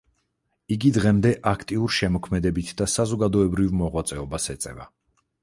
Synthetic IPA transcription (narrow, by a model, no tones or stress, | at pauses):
iɡid̪ʁɛmd̪ɛʔakʰt̪ʼiuɾʃɛmɔkʰmɛd̪ɛbit̪ʰd̪asazɔɡad̪ɔɛbɾivmɔʁwat̪sʼɛɔbasɛt̪sʼɛ̰va̰